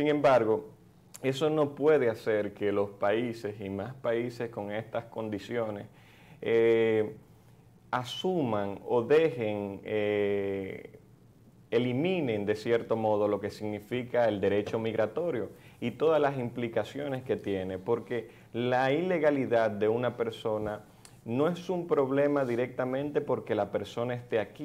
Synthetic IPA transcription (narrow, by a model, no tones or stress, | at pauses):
siŋẽ̞mbaɾɣo̞ | e̞so̞no̞pwe̞ðe̞ase̞ɾke̞lo̞spaise̞simaspaise̞sko̞ŋe̞st̪asko̞nd̪isjo̞ne̞s | e | asumaŋo̞ðe̞he̞ŋe | elimĩne̞nd̪e̞sje̞ɾt̪o̞mo̞ð̞o̞lo̞ke̞siɣnifikae̞ld̪e̞ɾe̞t͡ʃo̞miɣɾat̪o̞ɾjo̞it̪o̞ðazlas̬implikasjo̞ne̞ske̞t̪je̞nepo̞ɾke̞ | laile̞ɣaliðad̪̚d̪e̞unape̞ɾso̞na | no̞esumpɾo̞βle̞maðiɾe̞k̚t̪amẽnt̪e̞po̞ɾke̞lape̞ɾso̞naest̪e̞aki